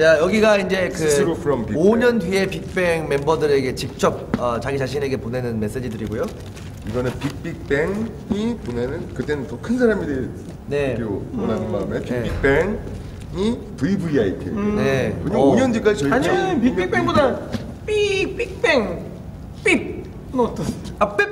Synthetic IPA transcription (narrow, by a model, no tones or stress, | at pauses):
t͡ɕajʌɡiɡaind͡ʑe̞kɯsɾopʰɯɾʌmpioɲʌndɥie̞pik̚p͈e̞ŋme̞mbʌdɯɾe̞ɡe̞t͡ɕik̚t͡ɕ͈ʌp̚ʌt͡ɕaɡit͡ɕaɕ̬ʰine̞ɡe̞pone̞nɯnme̞s͈e̞d͡ʑidɯɾiɡojo | iɡʌnɯnpik̚p͈ik̚p͈e̞ŋ | iponenɯnkɯt͈e̞nɯntʌkʰɯnsʰaɾamide | ne̞oponannmaɯmepiik̚p͈eŋ | ipɯibuiaitʰḭnekɯɲiaoɲʌndwɥik͈ad͡ʑit͡ɕʌiaɲinpiik̚p͈eŋboda | pip͈ik̚p͈eŋ | p͈ip̚ | not͈ʰape